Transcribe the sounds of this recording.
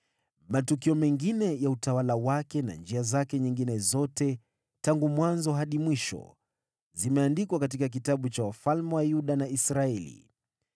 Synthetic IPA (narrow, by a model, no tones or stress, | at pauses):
matukiɔmɛŋɡinɛjautawalawakɛna̰nd͡ʒiazakɛɲiŋɡinɛzɔtɛ | taŋɡumwanzɔɦaɗimwiʃɔ̰ | zimɛandikwakatikak̬itaɓut͡ʃawafalmɛwajuɗanaisɾaɛlḭ